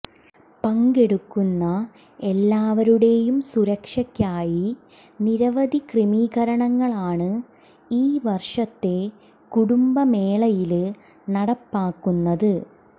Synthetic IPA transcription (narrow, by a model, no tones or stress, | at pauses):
pɐŋɡeɽukːunːɐ | elːaːʋɐɾuɽe̞jumsuɾɐkʂɐkʲːaːji | niɾɐʋɐd̪ikrimiːɣɐɾɐɳɐŋːɐɭaːɳɨ | iːʋɐrʂɐt̪ːe̞ | kuɽumbɐme̞ːɭɐjil | nɐɽɐpːaːkːunːɐðɨ